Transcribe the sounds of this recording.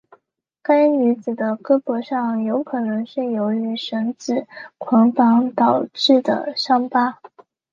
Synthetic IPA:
ka˥ɪny˧˥t͡sɹ̩˨˩d̪ə˦kɤ˥pwɔ˧˥ʂɑ˥˩ŋjo˧˥ʊkʰɤ˨˩nɤ˧˥ŋʂɻ̩˥˩jo˧˥ʊy˧˥ʂə˧˥ŋt͡sɹ̩˨˩kʰwɑ˧˥ŋfɑ˧˥ŋt̪ɑ˨˩ʊʈ͡ʂɻ̩˥˩d̪ə̰˩ʂɑ˥ŋpa˥

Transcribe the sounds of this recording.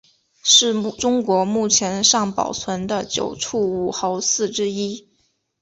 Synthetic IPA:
ʂɻ̩˥˩ʈ͡ʂʊ˥ŋkwɔ˧˥mu˥˩t͡ɕʰjɛ˧˥nʂɑ˥˩ŋpɑ̰˨˩ʊt͡sʰwə˧˥nd̪ə˧t͡ɕjo̰˨˩ʊʈ͡ʂʰu˥˩u˨˩xɑ˧˥ʊsɹ̩˥˩ʈ͡ʂɻ̩˥i˥

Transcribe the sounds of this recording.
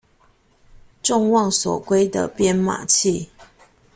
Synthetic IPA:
ʈ͡ʂʊ˥˧ŋwɑ˥˨ŋswɔ̰˨˩kwe˥ɪd̪ə̰˨pjɛ˥nma̰˨˩t͡ɕʰi˥˨

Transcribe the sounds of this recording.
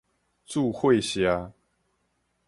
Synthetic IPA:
t͡su˥˧xwe˥˨ɪɕja˦

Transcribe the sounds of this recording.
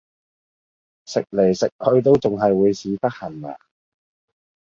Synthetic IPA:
sɪ˨k̚le˨˩jsɪ˨k̚kʰːɵ˨˧ɥt̪o˥wt͡sʊ˨ŋɦɐ˨jwuː˨˧jsiː˨˧˥t̪ɐ˥k̚hɐ˨˩na̰ː˨˩

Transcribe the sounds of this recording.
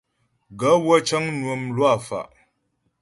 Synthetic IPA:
ɡə˨˦wə˦t͡ʃə˦ŋnwə˨mlwa˦˨fa̰˨ʔ

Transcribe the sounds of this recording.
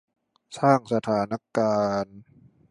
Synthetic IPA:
saː˥˩ŋsa˧t̪ʰaː˩˦na˦˥kaː˧n

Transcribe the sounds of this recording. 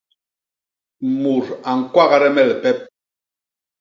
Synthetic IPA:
mu˨ɾa˨ŋ̩˨kwa˦ɣa˦ɾɛ˦mɛ˦˨lɛ˨pɛ˦p̚

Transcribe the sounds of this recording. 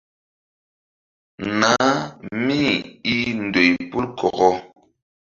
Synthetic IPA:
na˨˦mi˦˨i˦n̩˨dwe˨jpu˦lkɔ˨ɣɔ˦

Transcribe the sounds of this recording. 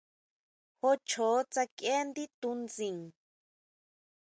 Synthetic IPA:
xo˧t͡ʃʰoː˨˦t͡sa˧ke˦nd̪i˦t̪u˧nd͡zĩ˨ŋ

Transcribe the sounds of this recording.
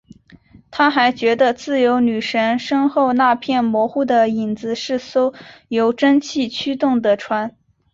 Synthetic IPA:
t̪ʰa˥xa˧˥ɪt͡ɕɥɛ˧˥d̪ə˧t͡sɹ̩˥˩jo˧˥ʊny˨˩ʂə˧˥nʂɤ˥ŋxo˥˧ʊna˥˧pʰjɛ˥˩nmwɔ˧˥xu˥˩d̪ə˩i˨˩nd͡zɹ̩˧˥ʂɻ̩˥˩so˥ʊjo˧˥ʊʈ͡ʂə˥ŋt͡ɕʰi˥˩t͡ɕʰy˥t̪ʊ˥˩ŋd̪ə˩ʈ͡ʂʰwa˧˥n

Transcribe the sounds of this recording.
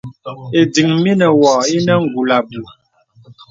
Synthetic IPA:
e˨di˨ŋmi˦nə˨wɔ˨e˦nə˦ŋ̩˨ɡu˨la˨bu˨

